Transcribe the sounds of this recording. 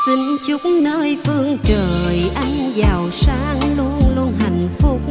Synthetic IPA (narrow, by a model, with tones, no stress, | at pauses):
t̪i˨˦ŋ̟t͡ɕʊ˦˥k͡p̚nəː˧jfɨ˧əŋt͡ɕəː˨˩jʔa˧jŋzaː˨˩wsaː˨˦ŋlu˧ənlu˧ənha˨˩jŋ̟fʊ˨˦˥k͡p̚